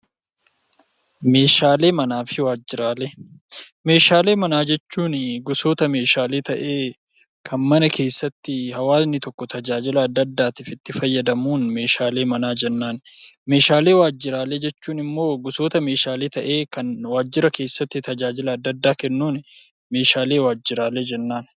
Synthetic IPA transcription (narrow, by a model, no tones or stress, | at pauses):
me̞ːʃaːle̞ːmɐnaːfɪwaːd͡ʒɪɾaːlɛ | me̞ːʃaːle̞ːmɐnaːd͡ʒɛt͡ʃːuːnɪɡʊso̞ːt̪ɐme̞ːʃaːle̞ːt̪ɐʔe̞ː | kʰɐnmɐnɐke̞ːsːɐt̪ːɪhɐwaːsnɪt̪ɔkːɔt̪ɐd͡ʒaːd͡ʒɪlɐːd̪ːɐd̪ːaːt̪iːfɪt̪ːɪfɐjːɐd̪ɐmuːnme̞ːʃaːle̞ːmɐnaːd͡ʒɛnːaːn | me̞ːʃaːle̞ːwaːd͡ʒːɪɾaːled͡ʒɛt͡ʃːuːnɪmːo̞ːɡʊso̞ːt̪ɐme̞ːʃaːle̞ːt̪ɐʔe̞ːkɐnwaːd͡ʒːɪɾɐke̞ːsːɐt̪ːɪt̪ɐd͡ʒaːd͡ʒɪlɐːd̪ːɐd̪ːaːkɛnːuːnɪ | me̞ːʃaːle̞ːwaːd͡ʒːɪɾaːled͡ʒɛnːaːn